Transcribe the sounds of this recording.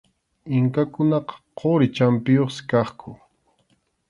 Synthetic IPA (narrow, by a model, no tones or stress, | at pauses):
ɪŋkakʊnɑqɑ̥qoɾɪt͡ʃampɪjoχsɪ̥kɑχkʰʊ